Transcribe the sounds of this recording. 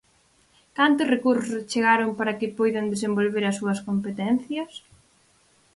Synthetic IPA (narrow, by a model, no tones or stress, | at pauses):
kant̪ʊsrekuɾsʊst͡ʃeɣaɾʊmpaɾɐkɪpojðɐnd̪esembolβeɾɐsːuɐskompet̪ɛn̟θjɐs